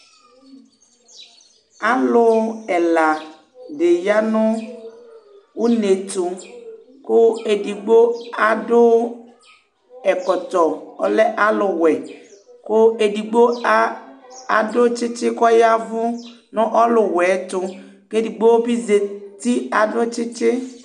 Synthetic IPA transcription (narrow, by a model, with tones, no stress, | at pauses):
a˨lʊ˨˦ɛ˨la˨ | de˨ja˦nʊ̃˦ | wu˦ne˨t̪ʊ˨ | kʊ˦e˨di˨ɡ͡bo˦a˨dʊ˦ | ɛ˨kɔ˨t̪ɔ˨ɔ̰˨lɛ˦ʔa˦lʊ˨wɛ˨ | kʊ˦e˨di˨ɡ͡bo˦a˦a˨dʊ˦t͡ʃɪ˦t͡ʃɪ˦kɔ˦ja˦vʊ̃˦ | nʊ̃˦ʔɔ˦lʊ˨wɛ˨˦t̪ʊ˦ | ke˦di˨ɡ͡bo˦wo˦bi˦ze˨t̪i˦a˨dʊ˦t͡ʃɪ˦t͡ʃɪ˦